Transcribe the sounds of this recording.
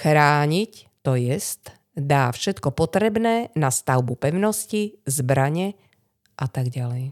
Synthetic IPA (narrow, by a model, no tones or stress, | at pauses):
xɾaːɲict̪ɔjɛst̪ | d̪aːfʃɛt̪kɔpɔt̪ɾɛbnɛːnast̪aʊbupɛʊnɔscizbɾaɲɛ | ʔat̪aɡɟalɛj